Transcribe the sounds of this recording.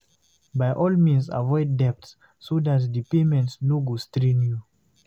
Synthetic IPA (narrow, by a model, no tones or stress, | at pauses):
bajʔɔlmĩnsa̰vɔɪdːɛp̚tsː | odatdipemɛ̃ntsnoɡostɾinju